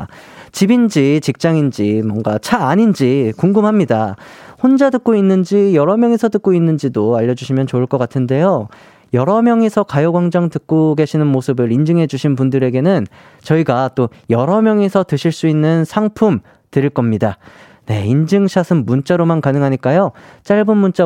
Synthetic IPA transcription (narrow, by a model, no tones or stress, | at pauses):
t͡ɕibind͡ʑit͡ɕik̚t͡ɕ͈aŋind͡ʑimwʌŋɡat͡ɕʰaːɲind͡ʑikuŋɡɯmɦamɲidahond͡ʑadɯk̚k͈oinːɯnd͡ʑijʌɾʌmjʌŋesʰʌtɯk̚k͈oinːɯnd͡ʑidoaʎːʌd͡ʑuɕʰimjʌnt͡ɕouɭk͈ʌk͈atʰɯnde̞jo | jʌɾʌmjʌŋesʰʌkajʌɡwaŋd͡ʑaŋtɯk̚k͈oɡe̞ɕʰinɯnmosʰɯbɯɾind͡ʑɯŋɦe̞d͡ʑuɕʰinpundɯɾe̞ɡe̞nɯn | t͡ɕʌiɡat͈ojʌɾʌmjʌŋesʰʌtɯɕʰiɭs͈uinːɯnsʰaŋpʰum | tɯɾiɭk͈ʌmɲida | ne̞ind͡ʑɯŋɕʰasʰɯnːunt͡ɕ͈aɾomankanɯŋɦaɲik͈ajot͡ɕ͈aɭbɯnmunt͡ɕ͈a